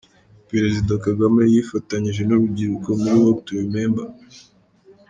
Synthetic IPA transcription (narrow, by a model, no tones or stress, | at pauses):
peɾe̞zidakaɡame̞jifataɲiʒe̞noɾubɟiɾukomuɾiwok̚tuɾimeːmba